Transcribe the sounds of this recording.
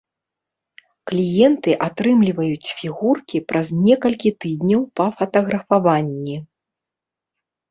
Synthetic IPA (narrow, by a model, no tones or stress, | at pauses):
klʲijɛnt̪ɨʔat̪ɾɨmlʲivɐjut͡sʲfʲiɣurkʲipɾʔɐznʲɛkɐlʲkʲit̪ɨd̪ʲnʲɐwpɐfɐt̪ɐɣɾɐfavanʲːi